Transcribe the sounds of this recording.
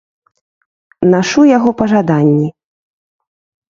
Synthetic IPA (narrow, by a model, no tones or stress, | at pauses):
naʂujaɣɔpɐʐad̪anʲːi